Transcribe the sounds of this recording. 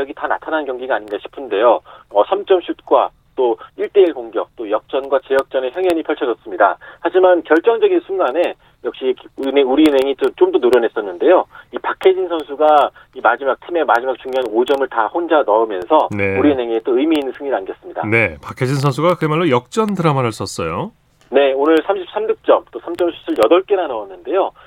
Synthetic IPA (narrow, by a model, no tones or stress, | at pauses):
jʌɡitana̰tʰanannkjʌŋɡiɡaɲinɡaɕʰi̥pʰɯnde̞joʌsʰamt͡ɕ͈ʌmɕʰut̚k͈wa | t͈oiɭt͈e̞iɭkoŋɡjʌk̚t͈ojʌk̚t͡ɕ͈ʌnɡwat͡ɕe̞jʌk̚t͡ɕ͈ʌne̞çjʌŋjʌɲipʰjʌɭt͡ɕʰʌd͡ʑʌs͈ɯmɲida̰had͡ʑimankjʌɭt͡ɕ͈ʌŋd͡ʑʌɡinsʰuŋɡane̞ | jʌk̚ɕ͈ineuɾiɯnɦe̞ŋit͡ɕomt͡ɕomdonoɾjʌne̞s͈ʌnːɯnde̞joipakʰed͡ʑinsʰʌnsʰuɡa | imad͡ʑimak̚tʰime̞mad͡ʑimak̚t͡ɕuŋɲjoɦanod͡ʑʌmɯɭtahond͡ʑanʌɯmjʌnsʰʌne̞uɾiɯnɦe̞ŋiet͈oɯimiːnːɯnsʰɯŋɲinanɡjʌs͈ɯmɲida̰ne̞pakʰed͡ʑins̬ʰʌnsʰuɡakɯemaɭːojʌk̚t͡ɕ͈ʌndɯɾamanɦaɭs͈ʌs͈ʌjo | ne̞onɯɭsʰamɕʰip̚s͈ʰamɲuk̚t͡ɕ͈ʌmt͈osʰamt͡ɕ͈ʌmsʰu̥sʰɯɭjʌdʌɭk͈e̞ɾanʌwʌnːɯnde̞jo